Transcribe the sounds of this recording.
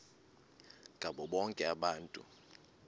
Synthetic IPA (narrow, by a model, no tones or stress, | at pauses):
ɡʱaɓɔɓɔŋkʼɛaɓaːntʼṵ